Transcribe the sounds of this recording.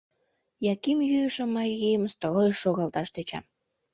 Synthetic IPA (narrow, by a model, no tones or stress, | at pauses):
jɑkimjyjəʃəmːɑjijəmst̪olojʃːoɣɑlt̪ɑʃt̪et͡ɕɑ̰m